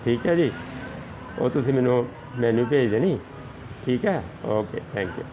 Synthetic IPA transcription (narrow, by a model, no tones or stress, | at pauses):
ʈʰiːkɦɛːd͡ʒiː | o̰ːt̪ʊsĩːmɛ̃ːnũː | mɛ̃ːnũːp̬eːd͡ʒd̪eːniː | ʈʰiːkɦɛːoːkeːt̪ʰɛ̃ːŋkjṵ